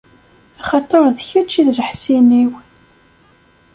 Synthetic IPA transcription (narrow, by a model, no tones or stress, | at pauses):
ɑχɑt̪ˤːoɾˤðçæt͡ʃːiðləħsiniw